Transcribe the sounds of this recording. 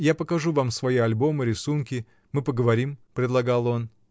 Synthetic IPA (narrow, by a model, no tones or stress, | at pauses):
japəkɐʐuvamsvɐiɐlʲbo̞mɨɾʲɪsunkʲɪ | mɨpəɡəvɐɾʲimpɾʲɪd̪lˠɐɡalˠo̞n